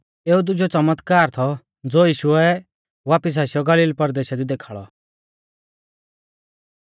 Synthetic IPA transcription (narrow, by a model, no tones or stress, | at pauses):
eːud̪ʊd͡ʒɔt͡sɐmət̪kaːɾt̪ʰɔ | d͡zoːjiːʃʊɛ | ʋaːpɪs̬aːsjɔɡɐliːlpɐɾd̪eːʃad̪id̪eːkʰaɭɔ̰